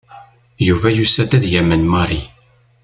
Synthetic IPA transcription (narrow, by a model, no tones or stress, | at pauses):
juvæjusæd̪æðjæmənmɑɾˤi